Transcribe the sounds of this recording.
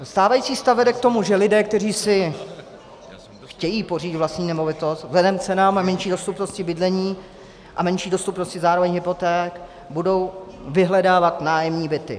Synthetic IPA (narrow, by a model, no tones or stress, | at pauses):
st̪aːvajiːt͡siːst̪avvɛdɛk̚t̪o̞muʒɛlɪdɛːk̚t̪ɛriːsɪ | xcɛjiːporiːt̪vlast̪ɲiːnɛmo̞vɪt̪o̞st̪vzɛdɛmt͡sɛnaːmamɛnʃiːdo̞st̪upnoscɪbɪdlɛɲiː | ʔamɛnʃiːdo̞st̪upnoscɪzaːɾovɛɲɦɪpo̞t̪ɛːk | budo̞w | vɪɦlɛdaːvat̪naːjɛmɲiːbɪt̪ɪ̰